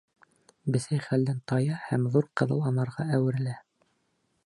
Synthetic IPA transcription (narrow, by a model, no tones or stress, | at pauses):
bɘ̆sæjχæld̪ænt̪ɑjɑhæmðuɾqɤ̆ðɤ̰lˠɑnɑɾʁɑæwɘ̆ɾɘ̆læ